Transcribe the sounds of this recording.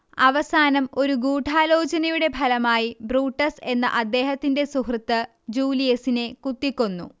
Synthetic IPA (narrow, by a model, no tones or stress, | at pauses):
ɐʋɐsaːnɐmo̞ɾuɡuːʈʰaːlo̞ːt͡ɕɐnɐjuɽe̞bʱɐlɐmaːjibruːʈːɐse̞nːɐ̰ʔɐd̪ːe̞ːɦɐt̪ːinde̞suhrɐt̪ːɨ | d͡ʑuːlijɐsine̞kut̪ːikʲːonːṵ